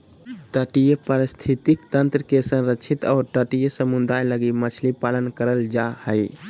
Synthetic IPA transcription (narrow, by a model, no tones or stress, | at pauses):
ʈəʈijəpəɾist̪ʰit̪ikt̪ənt̪ɾəkesə̃nɾət͡ʃʰit̪aʊɾʈəʈijəsəmud̪ajləɡimət͡ʃʰlipalənkəɾəld͡ʒahəj